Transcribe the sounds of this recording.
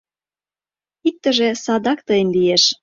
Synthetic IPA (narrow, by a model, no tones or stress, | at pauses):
ik̚t̪ə̆ʒĕsɑd̪ɑkt̪əjənlieʃ